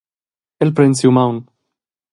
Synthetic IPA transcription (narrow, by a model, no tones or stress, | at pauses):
elpɾɛnsiwmawn